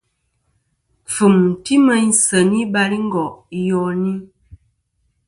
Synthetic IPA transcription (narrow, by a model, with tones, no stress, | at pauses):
fə˨mn̩˨ti˦mə˦n̩˦sə˨ni˦ba˨li˦ŋ̩˦ɡɔ˨ʔjɔ˨ni˦